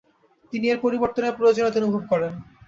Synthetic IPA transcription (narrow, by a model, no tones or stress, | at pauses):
t̪inieɾpoɾiboɾt̪oneɾpɾoeod͡ʑonot̪onubʱob̚kɔɾen